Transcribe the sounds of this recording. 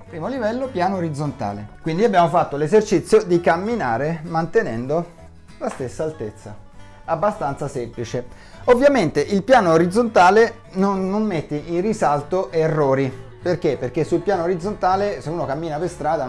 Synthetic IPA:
pɾiːmolivɛlːopjaːnoːɾid̪zont̪a̰ːlḛkwind̪iabːjaːmofat̪ːolezert͡ʃit̪sːjod̪ikamːinaːɾemant̪enɛnd̪o | last̪esːaːlt̪et̪sːa̰ | abːast̪ant̪sasemplit͡ʃe | ovːjament̪eʔilpjaːnoːɾid̪zont̪aːle | nonːomːet̪ːeʔinrisalt̪oʔerːoːɾi | perk̟epːerk̟esːulpjaːnoɾid̪zont̪aːleseuːnokamːiːnaperst̪ɾaːd̪a

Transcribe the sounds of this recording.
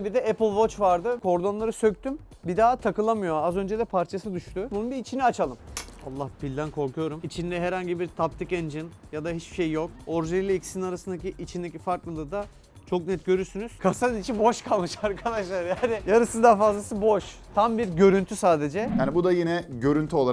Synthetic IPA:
bid̪ɛɛpɯlˠvo̞t͡ʃvaɾd̪ɯkʰo̞ɾd̪o̞nlˠaɾɯsø̞c̚t̪ym | bid̪aːt̪ʰakɯlˠamɯjo̞azø̞nd͡ʒɛd̪ɛpʰaɾt͡ʃʰasɯd̪yʃt̪ʰybununbiːt͡ʃʰiniat͡ʃʰalˠɯma̰lˠːahpʰilʲd̪ænkʰo̞ɾkujo̞ɾumit͡ʃʰind̪ɛɦɛɾhaɲɟibiɾt̪ʰap̚t̪ʰicend͡ʒinjad̪aɦit͡ʃbi̥ʃejjo̞k̚o̞ɾʒelʲiicsininaɾasɯnd̪aciʔːt͡ʃʰind̪ecʰifaɾklˠɯnd̪ad̪a | t͡ʃʰo̞knɛt̪ɟø̞ɾyɾsynyz̥kʰasanit͡ʃʰibo̞ʃkʰalˠmɯʃaɾkʰad̪aʃlˠaɾjaːnɪjaɾɯsɯnd̪afazlˠasɯbo̞ʃ | t̪ʰambiɾɟø̞ɾynt̪ʰysaːd̪e̞d͡ʒɛjaːnibud̪ajinɛɟø̞ɾynt̪ʰyo̞lˠa

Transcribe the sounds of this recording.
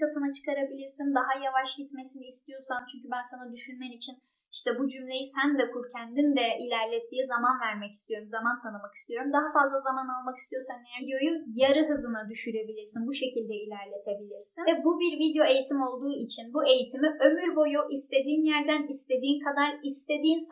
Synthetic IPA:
at̪ʰɯnat͡ʃʰɯ̥kʰaɾabilʲiɾsind̪aɦajavaʃɟit̪me̞sinist̪ʰijo̞ɾsant͡ʃʰyɲcʰybænsanad̪yʃynmɛnit͡ʃʰin | i̥ʃt̪ʰɛbud͡ʒymlʲe̞jisænd̪ɛkʰuɾcʰænd̪ind̪ɛʔilʲæɾlʲɛt̪ʰːiːizamanvæɾmɛci̥st̪ijo̞ɾumzamant̪ʰanɯmaki̥st̪ijo̞ɾumd̪aɦafazlˠazamanalˠmaki̥st̪ʰijo̞ɾsanːejd̪jo̞jujaɾɯɦɯzɯnad̪yʃyɾe̞bilʲiɾsinbuʃe̞cilʲd̪ɛilʲæɾlʲe̞t̪ʰe̞bilʲiɾsinɛbubiɾvid̪jo̞e̞jit̪ʰimo̞lˠd̪uːit͡ʃʰinbue̞jit̪ʰimiʔø̞myɾbo̞juʔist̪ʰe̞d̪iːnjæɾd̪ænist̪ʰe̞d̪iːnkʰad̪aɾist̪ʰe̞d̪iːns

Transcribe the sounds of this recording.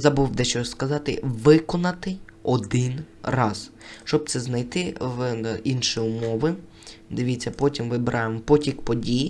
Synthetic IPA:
zɐbuwd̪ɛʃt͡ʃɔskɐzɑt̪ɪʋɪkɔnɐt̪ɪɔd̪ɪnrɑz | ʃt͡ʃɔb̚t̪sɛznɐjt̪ɪʋinʃiʊmɔʋɪ | d̪ɪʋʲit͡sʲːɐpɔtʲimʋɪbɾʔɑjemɔpɔtʲikpɔdʲiji

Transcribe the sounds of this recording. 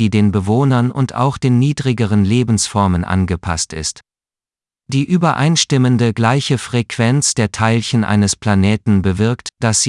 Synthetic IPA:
iːdeːnbəvoːnɐnʊnta̰ʊxd̥eːnːiːdʁɪɡəʁ̞ənleːbn̩sfɔɐmənʔa̰nɡəpʰa̰stɪ̰st | d̥iːʔyːbɐʔaɪnʃtɪməndəɡlaɪçəfʁ̥ɛkv̥ɛnt͡sd̥eːɐtʰaɪlçənʔa̰ɪnəspl̥aneːtn̩bəvɪɐktd̥asi

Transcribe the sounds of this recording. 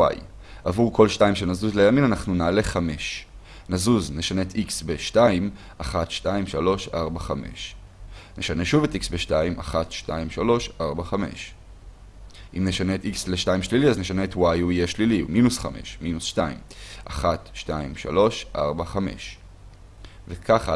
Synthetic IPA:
wa̰j | avuʁko̞lʃtajimʃenazuzlejaminanaχnunale̞χame̞ʃ | nazuzne̞ʃaneetʔiksbeʃtaim | ʔaχatʃtaimʃalo̞ʃaʁbaχame̞̰ʃ | ne̞ʃane̞ʃuve̞tiksbeʃtaimaχatʃtaimʃalo̞ʃʔaʁbaχame̞̰ʃ | ʔimneʃaneːtiksleʃtaimʃliliazneʃaneːtwajuijeʃliliṵminusχa̰me̞̰ʃminusʃtaḭmʔaχatʃtaimʃa̰lo̞ʃʔa̰ʁbaχame̞̰ʃ | vekʰaχa

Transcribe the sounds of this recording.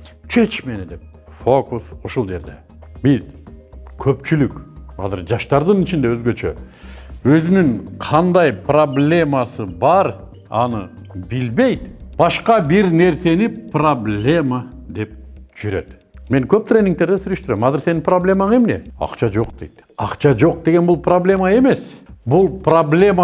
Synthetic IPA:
t͡ʃʰe̞t͡ʃme̞ned̪e̞p̚ | fo̞kusoʃulˠd͡ʒe̞ɾd̪e̞ | bizkʰɵpt͡ʃylykɑ̰zɨɾd͡ʒɑʃt̪ɑɾd̪ɯnit͡ʃind̪e̞øzɡøt͡ʃʰø̰ | øzynyŋqʰɑnd̪ɑjpro̞blʲe̞mɑsɨbɑɾ | ɑ̰nɯ | bilbe̞jt̪b̥ɑʃqɑbiɾne̞ɾse̞niproblʲe̞mad̪e̞p̚d͡ʒyɾø̞t̪ | me̞ŋkʰøp̚t̪rʲenːiŋkt̪e̞ɾd̪esyɾøʃt̪yɾemɑzɨɾse̞nɪmproblʲe̞maemne̞̰ɑ̰qt͡ʃʰɑd͡ʒo̞qd̪e̞̰jt̪ | ɑqt͡ʃɑd͡ʒo̞q̚d̪e̞ɡʲe̞nbulˠpʰroblʲe̞mɑe̞me̞sbulˠproblʲe̞m

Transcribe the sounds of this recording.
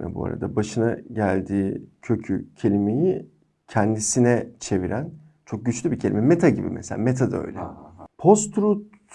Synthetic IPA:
nɛ̰bṵa̰ɾa̰d̪abaʃɯnaɟælʲd̪iːcʰø̞cʰycʰe̞lʲime̞ji | cʰɛnd̪isinɛt͡ʃʰe̞viɾæn | t͡ʃʰo̞k̚ɟyt͡ʃlʲybicʰelʲimɛmet̪ʰaɟibḭmʔeselʲaːmet̪ʰad̪aø̰jlʲɛ̰pʰo̞st̪ɾut

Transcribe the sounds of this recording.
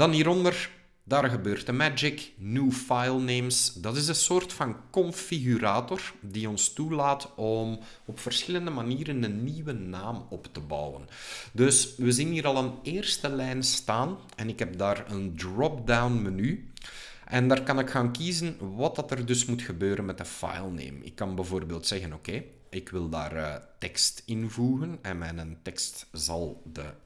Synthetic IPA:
d̥ɑnɦiːɾɔndər | daːrɣəbøːrtəmæd͡ʒɪknuːfajlˠneːmsdɑtɪs̬ənsoːrtfɑnkɔnfiɣyɾaːtɔrdiɔnstulaːtɔm | ɔpfərsxɪləndəmaniːɾənənːiwənaːmɔptəbɑ̰wə̰ndɵsʋəzinɦiːɾɑlˠəneːrstəlɛjnstaːn | ɛnɪkɦɛb̚daːrəndrɔpdawnməny | ʔɛndaːrkɑnɪkxaːnkizənʋɑt̚dɑtərdɵsmutxəbøːɾənmɛtəfa̰jlˠnḛːmɪ̰kːɑnbɛvoːrbeːlˠtsɛɣənoːkeː | ɪkʋɪlˠda̰ːrətɛkstɪnvuːɣənɛnmɛnəntɛkstzɑlˠdə

